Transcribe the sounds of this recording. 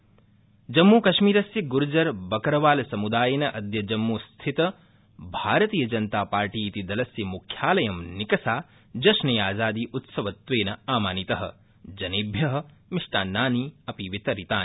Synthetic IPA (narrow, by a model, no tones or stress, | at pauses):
d͡ʒɐmːuːkɐʃmiːɾɐsjɐɡuɾud͡ʒɐɾbɐkɐɾɐʋaːlɐsɐmud̪aːjɐnɐʔɐd̪jɐd͡ʒɐmːust̪ʰit̪ɐ | bʱaːɾɐt̪iːjɐd͡ʒɐnt̪aːpaːɾʈiːt̪id̪ɐlɐsjɐmukʰjaːlɐjɐmnikɐsaː | d͡ʒɐʃnɐjaːzaːd̪iːʔut̪sɐʋɐt̪ʋeːnɐaːmaːnit̪ɐɦɐ̰̆ | d͡ʒɐneːbʱjɐɦɐ̆miʂʈaːnːaːniɐpiʋit̪ɐɾit̪aːn